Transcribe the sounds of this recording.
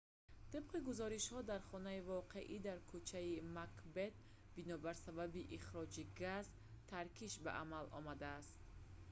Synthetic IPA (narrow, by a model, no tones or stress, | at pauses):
t̪ib̥̚qiɡuzɔɾiʃhɔd̪aɾχɔnaivɔqʰe̞ʔid̪aɾkʰut͡ʃʰaimakbe̞t̪̚ | binɔbaɾsababiʔiχɾɔd͡ʒiɡaz | t̪ʰaɾkʰiʃba̰ʔamalʔɔ̰mad̪aːst̪